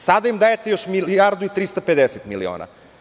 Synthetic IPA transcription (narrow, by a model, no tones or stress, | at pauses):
sad̪ajimd̪ajet̪ejoʃmiliaɾd̪uit̪ɾist̪aped̪eset̪milḭo̰ːna̰